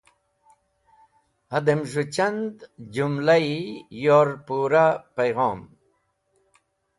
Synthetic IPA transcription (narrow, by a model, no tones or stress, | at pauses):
ɐd̪emʐut͡ɕɐnd̪d͡ʑumlaijoːɾpuɾapɐjɣɔːm